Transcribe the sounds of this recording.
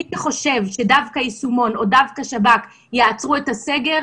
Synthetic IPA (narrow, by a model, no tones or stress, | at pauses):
χo̞ʃe̞vʃe̞davkajisumo̞no̞davkaʃabak | jeat͡sʁuetase̞ɡe̞ʁ